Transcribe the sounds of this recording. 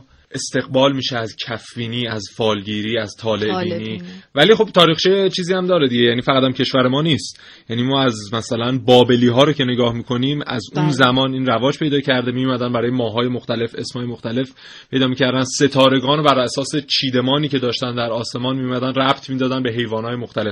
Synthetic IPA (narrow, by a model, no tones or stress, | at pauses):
e̞st̪e̞ɣbɒːlmiːʃeæzcʰæfːiːniːæzfɒːlɟiːɾiːæzt̪ʰɒːle̞biːniːvæliːxo̞b̥̚t̪ʰɒːɾiːxt͡ʃijet͡ʃʰiːziːæmd̪ɒːɾed̪iɟejæniːfæʁæt̪æmcʰe̞ʃvæɾe̞mɒːniːst̪ | jjæniːmɒːæzmæsælænbɒːbe̞liːɦɒːɾocʰe̞neɡɒːhmiːkʰo̞niːmæ̰zuːnzæmɒːniːnrævɒːd͡ʒpʰe̞jd̪ɒːcʰæɾd̪emijumæd̪ænbæɾɒːje̞mɒːɦɒːje̞moxt̪æle̞fe̞smhɒːjemoxt̪æle̞f | pʰe̞jd̪ɒːmiːcʰæɾd̪ænd̪se̞t̪ʰɒːɾe̞ɡɒːnobæɾæsɒːse̞t͡ʃʰiːd̪e̞mɒːniːcʰe̞d̪ɒːʃt̪ænd̪æɾɒːse̞mɒːnmijumæd̪ænræb̥t̪ʰmiːd̪ɒːd̪ænbe̞ɦe̞jvɒːnɒːjemoxt̪æle̞f